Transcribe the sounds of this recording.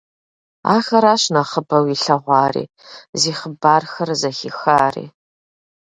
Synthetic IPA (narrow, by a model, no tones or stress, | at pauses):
a̰ːxɐɾaːɕnaχəbɐwiɬɐʁʷɑːrḭː | ziːχəbaːrxɐrzɐxixaːrḭː